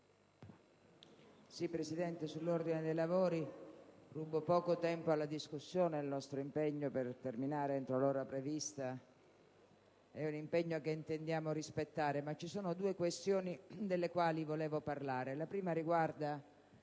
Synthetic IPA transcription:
sipːɾesid̪ɛnt̪esulːord̪ined̪ejlavoːɾirubopɔːkot̪ɛmpoalːad̪iskusːjoːneilnɔst̪ɾoimpeɲːopert̪erminaːɾeent̪ɾoloːɾapɾevist̪a | ɛunimpeɲːoakeint̪end̪jaːmoɾispet̪ːaːɾemat͡ʃːisuːnod̪uekwest̪joːnid̪elːekwaːlivoleːvoparlaːɾelapɾiːmaɾiɡward̪a

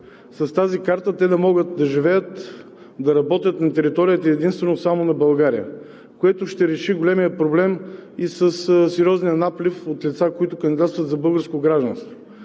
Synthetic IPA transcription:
sɐst̪azikaɾt̪ət̪ɛd̪ɐmɔɡət̪̚d̪ɐʒivɛjət̪ | d̪ɐɾɐbɔt̪ʲət̪nɐt̪ɛɾit̪ɔɾijət̪ɐɛd̪inst̪vɛnosamonɐbɐlˠɡaɾijə̰ | koɛt̪oʃt̪ɛɾɛʃiɡolʲɛmijəpɾoblɛmisəssɛɾʲjɔznijənaplʲifot̪lʲit̪sakoit̪ʊkəɐnd̪id̪at̪t̪vɐt̪zɐbɤlˠɡəɾskoɡɾaʒd̪ɐnst̪voo

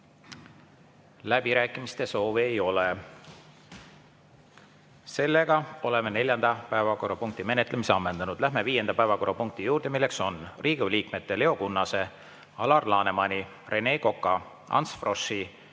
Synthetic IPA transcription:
læbiɾæːkːˑimist̪e̞so̞ːviejo̞le | se̞lːe̞ɡ̥ɑo̞le̞me̞ne̞lʲjɑnd̪̥ɑpæevɑko̞rːɑpuŋk̚t̪ime̞net̪ːˑlemise̞ɑmːend̪̥ɑnud̪̥læɦme̞viːje̞nd̪̥ɑpæevɑko̞rːɑpuŋk̚t̪ijuːɾrd̪̥e̞milːe̞kso̞nrʔiːɡ̥uliːkme̞t̪ːe̞le̞o̞kunːɑse̞ | ɑlɑrlɑːne̞mɑnʲi | rʔe̞ne̞ːko̞kːˑɑ | ɑ̰nsfro̞ʃi

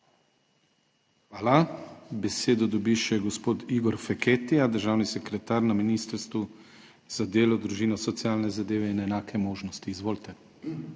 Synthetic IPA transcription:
xʋaːlabɛseːd̪ɔd̪ɔbiʃɛɡɔspoːt̪iɡɔɾfɛkeːt̪ijad̪əɾʒaːwnisɛkɾɛt̪aːɾnaminiːst̪əɾst̪ʋu | z̥ad̪eːlɔd̪ɾuʒiːnɔsɔt̪siaːlnɛzad̪eːʋɛinɛnaːkʰɛmoːʒnɔst̪iːzʋoːlt̪ɛ

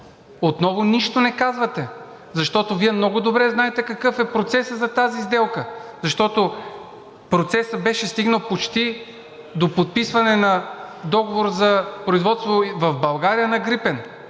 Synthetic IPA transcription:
ot̪nɔvoniʃt̪onɛkazvɐt̪ɛ | zɐʃt̪ɔt̪oviɛmnɔɡʊd̪obɾɛznaɛt̪ɛkɐkɤfɛpɾot̪sɛsəzɐt̪azizd̪ɛlˠkəzɐʃt̪ɔt̪o | pɾot̪sɛsəbɛʃɛst̪iɡnəlˠpot͡ʃt̪i | d̪opot̪̚pisvɐnɛnɐd̪ɔɡovoɾzɐpɾoizvɔt̪st̪vovɐvbɐlˠɡaɾijənɐɡɾipɛn

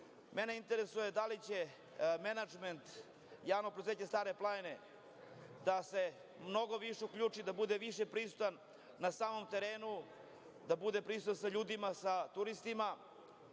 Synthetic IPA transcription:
meneint̪eɾesujed̪alit͡ɕe̞ | menad͡ʒment̪ | jaːʋnopɾod̪zeːt͡ɕɲest̪aːɾe̞plˠaene | d̪ase̞ | mno̞ɡo̞ʋiʃeukʎʲuːt͡ʂid̪abud̪eʋiʃepɾisu̥t̪anː | asaːmo̞mt̪e̞ɾeːnu | d̪abud̪epɾisut̪ansaʎuːd̪imasat̪uɾist̪ima

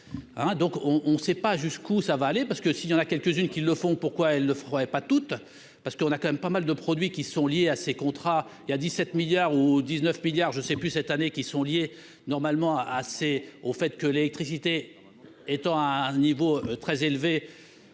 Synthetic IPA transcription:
ɛ̃d̪ɔ̃kɔ̃ʔɔ̃sɛpaʒyskusavaːlepaʁsə̥kəsiljɑ̃nakʲɛlkəzynkʲilːəfɔ̃puʁkwaɛlnəfʁəʁɛpat̪ut̪ | paʁsə̥kəɔ̃nakɑ̃mɛmpamald̪əpχɔd̪ɥikʲisɔ̃ljeasekɔ̃t̪χailjad̪isːɛt̪miljaʁud̪iznœfmiljaʁʒəsɛplysɛt̪anekʲisɔ̃lje | nɔʁmalmɑ̃aseofɛt̪kəlelɛk̚t̪χisit̪e | et̪ɑ̃aɛ̃nivot̪χɛzelve

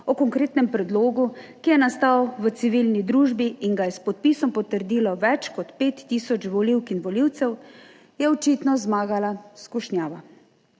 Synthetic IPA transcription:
ɔkɔŋkɾeːt̪nɛmpɾɛd̪loːɡukijɛnast̪awʋət̪siʋilnid̪ɾuːʒbiːnɡajɛspɔt̪̚pisɔmpɔt̪əɾd̪iːlɔʋɛt͡ʃkɔt̪peːt̪ːiːsɔt͡ʃʋɔliwkinʋɔliwt̪sɛw | jɛɔt͡ʃiːt̪nɔzmaːɡalaskuʃnjaːʋa

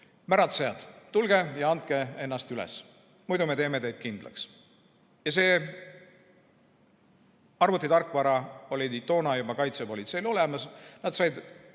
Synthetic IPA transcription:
mæɾɑt̪sejɑd̪̥t̪ːulɡ̥e̞jɑɑnt̪̚ke̞e̞nːɑst̪ylḛs | mujd̪ume̞t̪e̞ːme̞t̪e̞jd̪̥̚kind̪̥lɑ̰ks | jɑse̞ː | ɑrvut̪ːˑit̪ɑrkːˑvɑɾɑo̞lʲit̪ːo̞ːnɑjubɑkɑjt̪se̞po̞lit̪se̞jlo̞le̞mɑsnɑd̪̥sɑjd̪

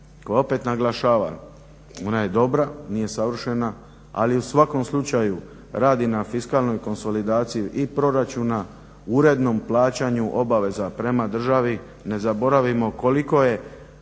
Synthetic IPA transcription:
kojeo̞pe̞t̪naɡlˠaʃaːʋa̰ | o̞naje̞d̪o̞bɾanije̞saʋr̩ʃe̞na | a̰liusʋako̞mslˠut͡ʃaju | ɾaːd̪inafiskalno̞jko̞nso̞lid̪aːt̪sijuʔipɾo̞ɾat͡ʃuna | uɾe̞d̪no̞mplˠaːt͡ɕaɲuʔo̞baʋe̞zapɾe̞mad̪r̩ʒaʋi | ne̞zabo̞ɾaʋimo̞ko̞liko̞je̞

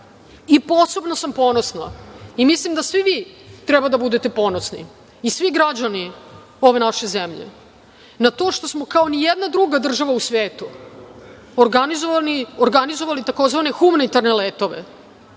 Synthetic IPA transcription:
ipo̞se̞bnosampo̞ːno̞sna̰imislimd̪asʋiʋiːt̪ɾɛbad̪abud̪e̞t̪e̞po̞ːnosnḭ | isʋiɡɾad͡ʑani | o̞ʋe̞naʃe̞zemʎḛ | nat̪o̞ʃt̪o̞smo̞kao̞nijed̪nad̪ɾuɡad̪r̩ʒaʋausʋeːt̪u | oɾɡanizoaioɾɡanizo̞ʋalit̪ako̞zʋane̞xumanit̪aɾnelet̪o̞ʋḛ

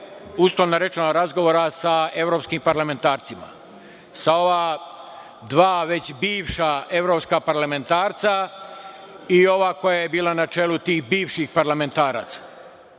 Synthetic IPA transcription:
uslˠoʋnaɾe̞t͡ʃenoɾazɡo̞ʋoːɾasae̞vɾopskimpaɾlame̞nt̪aːɾt̪sima̰ | sao̞ʋaː | d̪ʋaːʋe̞t͡ɕbiːʋʃae̞ʋɾo̞pskapaɾlame̞nt̪aːɾt̪sa | io̞ʋaːko̞jaje̞biːlanat͡ʃeːlut̪iːxbiːʋʃixpaɾlame̞nt̪aːɾa̰ːt̪sḁ

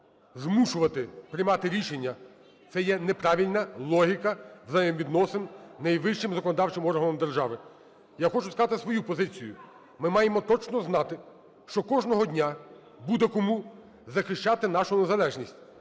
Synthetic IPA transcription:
zmuʃʊʋɐt̪ɪpɾɪjmɑt̪ɪɾʲiʃenʲːɐ | t̪sɛjɛnepɾɑʋʲilʲnɐlˠɔɦʲikɐʋzɐjɛmʋʲid̪nɔsɪnnɐjʋɪʃt͡ʃɪmzɐkɔnɔd̪ɑwt͡ʃɪmɔrɦɐnɔmd̪erʒɑʋɪ | jaxɔt͡ʃʊskɑt̪ɪsʋɔjupɔzɪt͡sʲijʊ̰ | mɪmɑjemɔt̪ɔt͡ʃnɔznɑt̪ɪ | ʃt͡ʃɔkɔʒnɔɦɔdʲnʲa | bud̪ɛkɔmu | zɐxɪʃt͡ʃɑt̪ɪn̪ɑʃʊnezɐlˠɛʒnʲisʲtʲ

